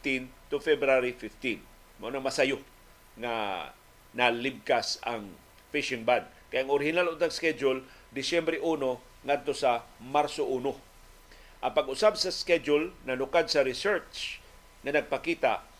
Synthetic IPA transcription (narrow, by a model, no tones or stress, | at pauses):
t̪int̪ʊfɛbɾaɾifɪft̪in | maʔunaŋmɐsajo | ŋa̰ | nalɪb̚kasa̰ŋ | fɪʃɪŋband̪̚ | kajaŋoɾɪhɪnalʊnt̪aŋskɛd͡ʒʊl | d̪ɪsjɛmbɾɛʔuːno | ŋad̪̚t̪osamaɾsoʔuːno | ʔaŋpaɡʔʊsabsɐskɛd͡ʒʊlnɐnʊkad̪̚saɾɪsɛɹt͡ʃt͡ʃ | ŋɐnɐɡ̚pakiːt̪aʔ